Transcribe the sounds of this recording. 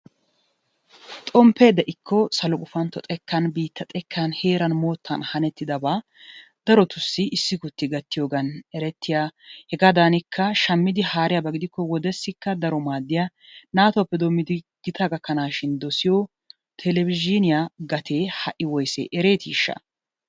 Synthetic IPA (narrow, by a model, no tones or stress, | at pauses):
t̪ʼɔmpːeːd̪ːɐʔɪkʰːɔsɐlɔkʼʊfɐnt̪ːɔt̪ʼɛkːɐnbiːt̪ːɐt̪ʼɛkʰːɐnheːɾɐnmo̞ːt̪ʰːɐ̰nhɐnɛt̪ːɪd̪ɐbaː | d̪̥ɐɾɔt̪ʊsːɪɪsːɪkʊt̪ːɪɡɐt̪ːɪjo̞ːɡɐnɛɾɛt̪ːɪjahɛɡaːd̪aːnɪkʰːɐʃɐmːɪd̪ɪhaːɾɪjabɐɡɪd̪ɪkːɔwɔd̪ɛsːɪkːɐd̪ɐɾɔmaːd̪ːɪja | naːt̪ɔwpːɛd̪omːɪd̪ɪ | ɡ̥ɪt̪ʰɐɡɐkːɐnaːʃɪnd̪ɔsɪjɔ | t̪ʰɛlɛvɪd͡ʒɪnɪjaɡɐt̪ʰeːhɐʔɪwɔjsɛ̰ʔɛɾe̞ːt̪ʰiːʃːɐ̰